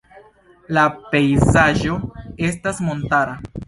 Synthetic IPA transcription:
lape̞jzaʒo̞e̞stasmo̞ntaɾa

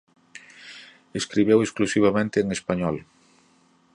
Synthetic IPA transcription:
eskɾiβewesklusiβ̞amẽnt̪ɪːŋespaɲɔl

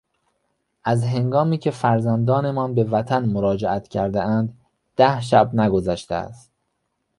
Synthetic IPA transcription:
ʔæzɦe̞ŋɡɒːmiːcʰe̞fæɾzænd̪ɒːne̞mɒːnbe̞væt̪ʰænmoɾɒːd͡ʒeʔæt̪cʰæɾd̪eʔænd̪ | d̪̥æhʃ̬æbnæɡo̞zæʃt̪ḛæ̰st̪

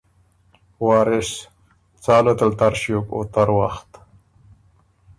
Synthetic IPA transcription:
wɑːɾɪɕ | t͡sɑːlot̪əlt̪aɾʃjoko̰t̪aɾwa̰xt̪

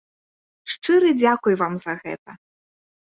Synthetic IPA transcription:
ʂt͡ʂɨɾɨd͡zʲakujvamzɐɣɛ̰t̪ɐ

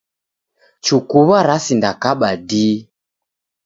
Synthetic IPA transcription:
t͡ʃukuβaɾasindakaɓadiː

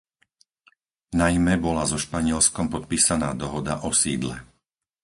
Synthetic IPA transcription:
najmɛbɔlazɔʃpaɲɪɛlskɔmpɔt̪̚piːsanaːd̪ɔɦɔd̪aʔɔsiːd̪lɛ̰

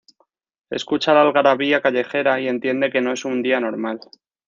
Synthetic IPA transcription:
e̞̰skut͡ʃalalɣaɾaβiakaʎe̞xe̞ɾaie̞nt̪je̞nd̪e̞ke̞no̞e̞sund̪iano̞ɾmal

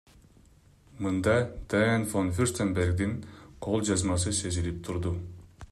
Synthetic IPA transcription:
mɯnd̪ɑd̪̥ajnfonfyɾst̪embeɾɡd̪iŋqʰolˠd͡ʒɑzmɑs̬ɯse̞zilip̚t̪ʰuɾd̪u

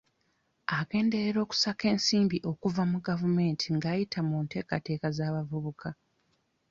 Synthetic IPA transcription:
aɡe̞ːnde̞ɾeɾo̞ːku̥sake̞ːnsiːmbiʔo̞kuvamuɡavume̞ːntʰiŋɡaːjitʰamuːnte̞ːkate̞ːkazaːβavuβukʰa

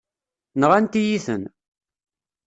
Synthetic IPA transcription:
nʁænt̪ijiθə̰n

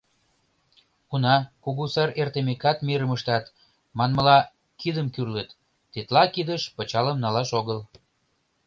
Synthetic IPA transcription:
unɑkuɣusɑɾert̪emekɑt̪meɾəməʃt̪ɑt̪ | mɑnməlɑ | kid̪əmkyrlət̪ː | et̪lɑkid̪əʃpət͡ɕɑləmnɑlɑʃoɣəl

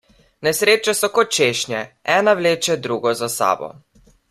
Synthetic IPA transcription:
nɛsɾeːt͡ʃasɔkɔt̪̚t͡ʃeːʃnʲjɛɛːnawleːt͡ʃɛd̪ɾuɡɔzasa̰ːbɔ̰

